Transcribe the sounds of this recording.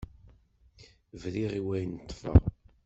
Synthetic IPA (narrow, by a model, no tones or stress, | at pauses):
vɾiʁiwæjnət̪ˤːfɑ̰